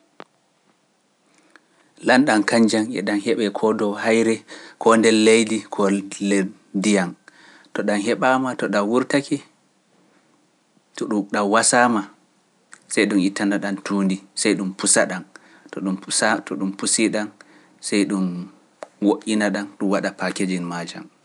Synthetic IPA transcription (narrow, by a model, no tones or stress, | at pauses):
lanɗankaɲd͡ʒanɛ̰ɗanhɛɓɛkʰɔdɔhajɾɛkʰɔndɛlːejdikʰɔle | dijan | tɔɗanhɛɓaːmatɔɗawuɾtakɛ | tɔɗuɗawasaːma | sajɗumitːanaɗantʰuːndisajɗumpusaɗan | tɔɗumatʰɔɗumpusiɗan | sajɗum | woʔʲinaɗanɗumwaɗapaked͡ʒinmaːd͡ʒa̰m